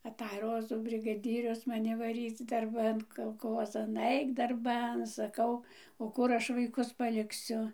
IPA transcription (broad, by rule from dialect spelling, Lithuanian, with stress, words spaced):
ɐˈtɐj ˈroːzuː bʲrʲɪɡɐˈdʲiːrʲʊs mɐˈnʲɪ ʋɐˈrʲiːt͡s dɐrˈbɐn kɐlˠˈkoːzɐn ˈɐɪk dɐrˈbɐn sɐˈkɐʊ oː ˈkʊr ˈɐʃ ʋɐɪˈkʊs pɐlʲɪkˈsʲʊ